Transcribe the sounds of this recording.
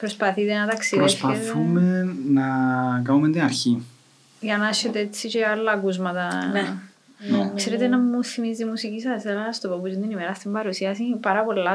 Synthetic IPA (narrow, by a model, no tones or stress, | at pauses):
pɾo̞spɐθit̪enɐt̪ɐksiðɾoespɐet̪θumenɐkɐmumet̪inɐɾçi | ʝɐnɐsçet̪eet͡sːiceɐlːɐkuzmɐt̪ɐ | kseɾet̪enɐmuθimizt̪imusicisɐselɐst̪opɐput͡ʃind̪inimeɾɐst̪imbɐɾusiɐsipɐɾɐpo̞lːɐ